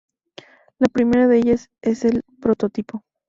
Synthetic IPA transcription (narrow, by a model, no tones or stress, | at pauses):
lapɾimeɾaðeeʝas | e̞se̞lpɾo̞t̪o̞t̪ipo̞